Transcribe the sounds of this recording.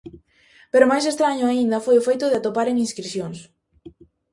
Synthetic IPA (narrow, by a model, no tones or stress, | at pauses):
peɾʊmajsest̪ɾaɲʊaind̪ɐfojʊfejt̪ʊðeat̪opaɾeŋinskɾiθjoŋs